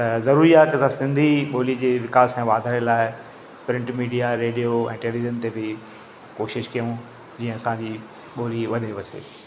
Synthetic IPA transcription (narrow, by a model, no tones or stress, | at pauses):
t̪ɐzɐɾuːɾiaːɦkɐsãsɪ̃nd̪ʱiɓoːlid͡ʑeːʋɪkaːsɛ̃ːʋaːd̪ʱaːɾɪlaːɪ | pɾɪ̃ɳʈmiːɖijaɾeːɗijoɛ̰̃ːʈeːliʋizənt̪ebɪ | koːʃɪʃkijũ | d͡ʑiːə̃ɐsãd͡ʑiː | ɓoːliʋɐɗeʋɐsḛː